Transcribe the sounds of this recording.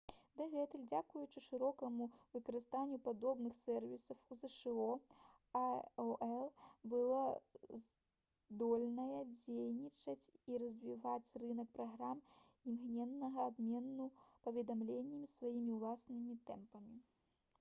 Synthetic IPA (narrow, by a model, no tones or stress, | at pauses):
d̪ɛɣɛt̪ɛlʲd͡zʲakujut͡ʂɨʂɨɾɔkɐmuvɨkɐɾɨst̪anʲːjupad̪ɔbnɨxsɛrvʲisɐfuzɛʂɛɔ | aʔɛlˠbɨlˠɔz | d̪ɔlʲnɐjɐd͡zʲejnʲit͡ʂɐt͡sʲiɾɐzʲvʲivat͡sʲrɨnɐk̚pɾaɣɾam | imɣnʲɛnːɐɣɐːbmʲenːupɐvʲɛd̪amlʲenʲːɛmʲisvajimʲiwlˠasnɨmʲit̪ɛmpɐmʲi